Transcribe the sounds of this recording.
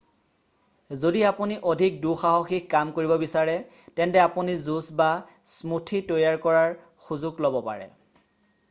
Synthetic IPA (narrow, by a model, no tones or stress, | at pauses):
zodiapuniʔodʱik̚duxaɦoxikːamkoɹibɔbisaɹɛtɛntɛapunizusba | smutʰitojaɹkɔɹaɹ | xuzʊɡlɔbɔpa̰ɹɛ̰